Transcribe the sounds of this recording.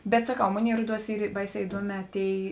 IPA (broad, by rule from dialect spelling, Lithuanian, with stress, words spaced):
ˈbʲɛt sɐˈkɐʊ ˈmoːˌnʲeːɪ ˈruɔˌduɔs ˈiːr ˈbɐɪˌsʲɛː ɪˈduɔˌmʲɛː ˈtʲeːɪ